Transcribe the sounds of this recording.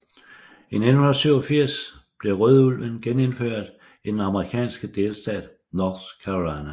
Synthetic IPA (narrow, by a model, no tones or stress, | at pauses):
ined̥n̩hunɐsyʊ̰ɒfiɐ̰sb̥le̝ʁœðˠulʋənɡ̥ene̝nføɐ̰d̥ | id̥enɑ̈məʁikʰɛ̰ːnsɡ̥əd̥e̝ːlsd̥ɛ̰ːd̥ | nɒːskʰæʁolɑ̈næ